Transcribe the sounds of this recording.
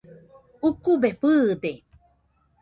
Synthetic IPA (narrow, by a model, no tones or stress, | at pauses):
ukubeɸɨd̪e